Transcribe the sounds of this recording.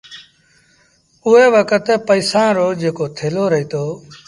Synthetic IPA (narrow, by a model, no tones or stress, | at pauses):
ʊɦeːʋəkət̪pəiːsãːɾoːd͡ʒeːkoːt̪ʰeːloːɾəɦiːt̪ʰoː